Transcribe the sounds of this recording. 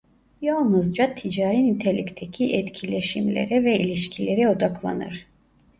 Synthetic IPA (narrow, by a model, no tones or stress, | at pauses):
jolˠnuzd͡ʒat̪ʰid͡ʒaːɾinit̪ʰelʲict̪ʰecʰiʔɛt̪cʰilʲeʃimlʲḛɾɛvɛilʲiʃcʰilʲeɾɛo̞d̪aklˠa̰nɯ̰ɾ̥